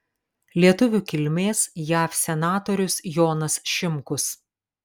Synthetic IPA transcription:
lʲiɛt̪ʊʋʲukʲɪlʲmʲeːsjæːfsʲɛnɑːt̪ɔːɾʲʊsjoːnɐsʃʲɪmkʊs

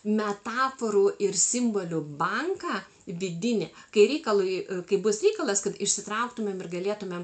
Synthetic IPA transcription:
mʲɛt̪ɑːfoɾuːʔɪrsʲɪmboːlʲʊbɐŋkɑː | ʋʲɪd̪ʲɪnʲɛkɐɪɾʲɛɪkɐlˠʊjkɐɪbʊsɾʲɛɪkɐlˠɐskɐt̪ɪʃʲsʲɪt̪ɾɐʊkt̪ʊmʲeːmɪrɡɐlʲeːt̪ʊmʲɛm

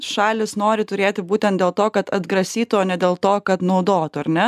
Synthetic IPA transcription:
ʃɑːlʲɪsnoːɾʲɪt̪ʊɾʲeːt̪ʲɪbuːt̪ʲɛnt̪d̪ʲeːlˠt̪oːkɐt̪ɐd̪ɡɾɐsʲiːtt̪ʊoːnʲɛd̪ʲeːlˠt̪oːkɐt̪nɐʊd̪oːt̪ʊɐɾʲnʲɛ

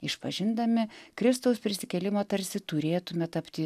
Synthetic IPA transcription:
ɪʃpɐʒʲɪnd̪ɐmʲɪkɾʲɪst̪ɐʊspʲɾʲɪsʲɪkʲɛlʲɪmoːt̪ɐɾʲsʲɪt̪ʊɾʲeːt̪ʊmʲɛt̪ɐpʲt̪ʲɪ

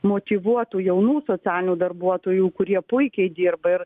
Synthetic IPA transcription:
moːt̪ʲiʋuɔt̪uːjɛʊnuːsoːt͡ssʲæːlʲɪnʲuːd̪ɐrbuɔt̪oːjuːkʊɾʲiɛpʊɪkʲɛɪd̪ʲiːrbɐɪr

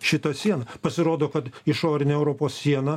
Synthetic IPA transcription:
ʃʲɪt̪ɐsʲiɛnɐpɐsʲɪɾoːd̪oːkɐt̪ɪʃoːɾʲɪnʲeɛʊɾoːpoːssʲiɛnɐ

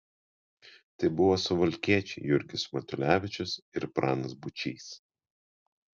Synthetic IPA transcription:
t̪ɐɪbʊʋoːsʊʋɐlʲkʲiɛt͡ʃʲɛɪjʊɾʲɡʲɪsmɐt̪ʲʊlʲæːʋʲɪt͡ʃʲʊsɪɾpɾɑːnɐsbʊt͡ʃʲiːs

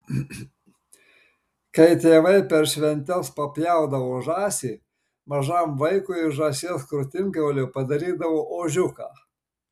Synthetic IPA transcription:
kɐɪt̪ʲeːʋɐɪpʲɛɾʃʲʋʲɛnʲt̪ʲɛspɐpʲjæˑʊd̪ɐʋoːʒɑːsʲiː | mɐʒɐmʋɐɪkʊɪʒɑːsʲeːskɾʊt̪ʲɪŋʲkʲɛːlʲopɐd̪ɐɾʲiːd̪ɐʋoːʔoːʒʲʊkɑː

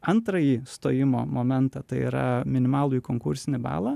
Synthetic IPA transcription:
ɐnt̪ɾɐjiːst̪oːjɪmo̰ːmoːmʲɛnt̪ɐt̪ɐɪḭːɾɐ̰mʲɪnʲɪmɑːlˠʊjukoːŋkʊɾʲsʲɪnʲɪbɑ̰ːlˠɑ

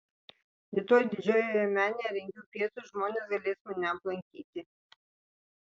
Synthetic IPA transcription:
ɾʲɪt̪oːjd̪ʲɪd͡ʒʲoːjoɛmʲæːnʲeɾʲɛŋʲɡʲuːpʲiɛsuˑʒmoːnʲeːsɡɐlʲeːsmɐnʲɛɐplˠɐŋʲkʲiːt̪ʲɪ

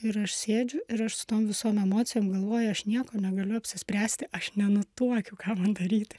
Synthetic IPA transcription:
ɪɾɐʃsʲeːd͡ʒʲʊɪɾɐʃsʊ̥t̪oːmʋʲɪsoːmɛmoːt̪sʲɪjoːmɡɐlˠʋoːjʊɐʃnʲiɛkoːnʲɛɡɐlʲʊɐpʲsʲɪsʲpʲɾʲæːsʲt̪ʲɪʔɐʃnʲɛnʊt̪uɔkʲukɑːmɐnd̪ɐɾʲiːt̪ʲɪ

